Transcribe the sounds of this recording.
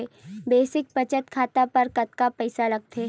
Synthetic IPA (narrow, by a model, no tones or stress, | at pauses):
ebeːsɪk̚pɐt͡ʃət̪kʰaːt̪apɐɾkɐt̪kapɛɪsalɐɡ̚t̪ʰeː